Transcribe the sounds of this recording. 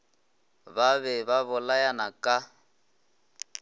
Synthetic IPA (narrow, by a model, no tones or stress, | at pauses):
βaβɛβaβʊlajanakʼa